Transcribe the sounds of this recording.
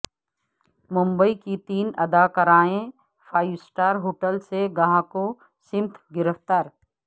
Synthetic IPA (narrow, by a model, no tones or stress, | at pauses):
mʊ̃mbəikit̪iːnɐd̪aːkəɾaːẽ | fʰaːɪʋsʈaːɾɦoːʈəlseɡɐɦãko | sɪ̃mt̪ʰɡɪɾəfʰt̪aːɾ